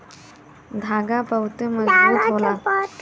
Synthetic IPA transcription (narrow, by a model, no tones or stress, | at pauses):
d̪ʱaɡapəwt̪əməd͡zbuːt̪ɦolaa